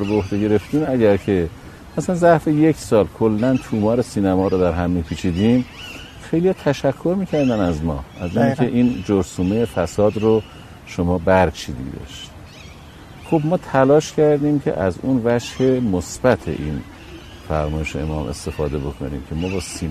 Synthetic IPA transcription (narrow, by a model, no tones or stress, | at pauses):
ɾbeohd̪eɡe̞ɾe̞ft̪iːmæɟæɾcʰe̞ | mæsælænzæʔfeje̞cʰsɒːlkʰolːænt̪ʰuːmɒːɾesiːnæmɒːɾod̪æɾɦæmːiːpʰiːt͡ʃʰiːd̪im | xejlijɒːt̪ʰæʃækʰːo̞ɾmiːcʰæɾd̪ænæzmɒ̰ːæzinkʲʰe̞ʔiːnd͡ʒoɾsuːmejefæsɒːd̪ɾo | ʃomɒːbæɾt͡ʃʰḭːd̪ḭd̪ɒ̰ʃt̪ | xobmɒːt̪ʰælɒːʃcʰæɾd̪imcʰe̞̰ʔæzunvæʃhe̞mosb̥æt̪ʰḛʔiːn | fæ̰ɾmɒːje̞ʃḛḛmɒːmʔe̞̰st̪e̞fɒ̰ːd̪e̞bo̞kʰo̞̰nḭːmcʰe̞mɒːbɒːsin